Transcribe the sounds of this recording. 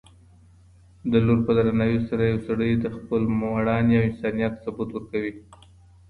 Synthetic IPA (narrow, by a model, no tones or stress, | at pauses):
d̪əloɾpəd̪aɾanɑjosaɾajawsaɽəjd̪əxpəlmwaɽɑnjawɪnsɑnijat̪sabut̪wəɾkawi